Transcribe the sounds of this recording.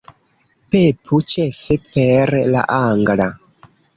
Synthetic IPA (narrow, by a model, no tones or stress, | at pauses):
pepʰut͡ʃefepeɾla̰ʔaŋɡla